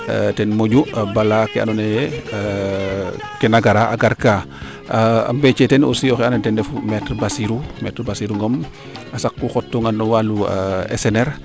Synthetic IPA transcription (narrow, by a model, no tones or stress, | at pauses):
tɛnmoɟuabalakɛa̰nɔnejɛ | kɛnaɡaɾaʔa̰ɡaɾka | a̰mbet͡ʃetɛno̰siɔxɛanatɛndɛfumɛtɾbasiɾumɛtɾbasiɾuŋɡɔm | asakːuxɔtːuŋanɔwaluɛ̰sɛnɛɾ